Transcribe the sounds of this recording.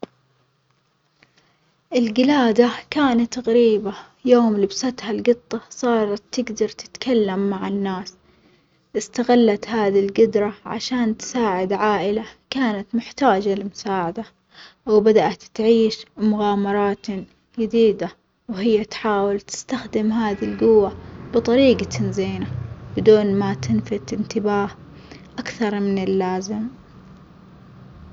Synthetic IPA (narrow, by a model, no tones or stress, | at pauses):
ʔɪlɡɪlaːd̪akaːnat̪ɣaɾiːba | joːmlɪbsat̪halɡɨt̪ˤːɑsˤɑːɾˤɑt̪ːɪɡd̪ɑɾˤt̪ɪ̥t̪kalːamːaʕɪnːaːs | ʔɪst̪aɣalːat̪haːðilɡʊd̪ɾˤɑʕa̰ʃaːnt̪ɪ̥saːʕɪd̪ʕaːʔɪlakaːnat̪mɪħt̪aːd͡ʒalɪmʊsaːʕad̪a | wbad̪aʔat̪ːʕiːʃmʊɣaːmɑɾˤɑːt̪ | d͡ʒad̪iːd̪a | whɪjːat̪ħaːwɪlt̪ɪ̥st̪axd̪ɪmɦaːðilɡʊwːab̥ɨt̪ˤɑɾiːɡat̪ʰanziːnabɪd̪uːnmat̪ɪnfɪt̪ɪnt̪ɪbaːh | ʔakθɑɾˤmɪnɪlːaːzɪm